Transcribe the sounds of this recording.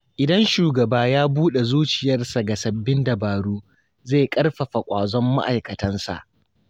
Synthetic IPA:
ʔɪ˨dɐ˦nʃuː˨ɡɐ˨baː˦jaː˦buː˦ɗe˨zuː˦t͡ʃɪ˨jɐ˦rsa˨ɡa˨sɐ˨bːɪ˦ndɐ˨baː˨ɽuː˦ | zeː˦˨kʼɐ˦rɸɐ˨ɸa˨kʷʼaː˨zɔ˦mːa̰˦ʔa˨jkɐ˨tɐ˦nsa̰˨ʔ

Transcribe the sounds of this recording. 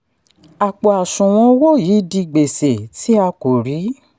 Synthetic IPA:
a˨k͡po˨a˨sũ˨w̃ɔ̃˧wo˦˨jiː˨˦di˧ɡ͡be˨se˨tʰi˦a˧ko˨ɾi˨˦

